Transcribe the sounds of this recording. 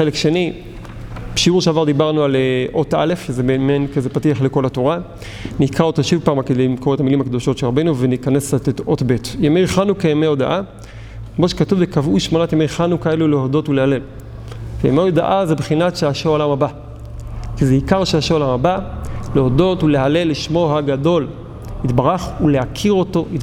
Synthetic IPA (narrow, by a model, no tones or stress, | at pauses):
elekʃe̞ni | beʃiuʁʃeavaʁd̪ibaʁnualeʔo̞ta̰le̞fʃezebeːmenkazepatiaχle̞ko̞lato̞ʁa | nikʁaotaʃivpaːmaked̪ejmkoet̪amilimakd̪o̞ʃo̞tʃeʁabenuvenikanestetotbe̞tjemejχanukajemeoda̰ʔa | kmoʃekatuvekavuʃmonatjemejχanukae̞lulehodo̞tulehalel | kejḛmeoda̰ʔazebχinatʃeaʃeolamaba | kizeikaʁʃeaʃeolamabaleodo̞tuleɦaleliʃmo̞ɦaɡado̞l | itbaʁaχuleakʰiʁo̞to̞it